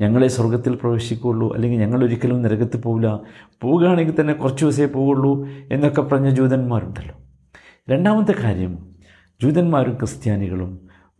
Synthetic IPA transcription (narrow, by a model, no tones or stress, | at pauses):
ɲɐŋːɐɭeswɐrɡɐt̪ːilprɐʋeːɕikʲːuuɭːuʔɐ̰lːe̞ŋɡilɲɐŋːɐɭo̞ɾikʲːɐlumniɾɐɣɐt̪ːɨpoːʋulɐpo̞ːɣaːɳeŋɡʲit̪ɐnːe̞kurɐt͡ɕːuʋɐs̬epoːɣuɭːue̞nːokːepɐrɐɲːɐd͡ʑuːðɐnmaːɾuɳɖɐlːo | ɾe̞ɳɖaːmɐt̪ːɨkaːɾjɐm | d͡ʑuːðɐnmaːɾumkrɨst̪jaːniɣɐɭum